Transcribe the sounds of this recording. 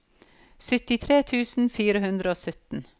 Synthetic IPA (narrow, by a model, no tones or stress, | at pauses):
sʏt̪ɪt̪ʰɾeːt̪ʰʉːsn̩fiːɾəhʉnd̪ɾəoːsœt̪n̩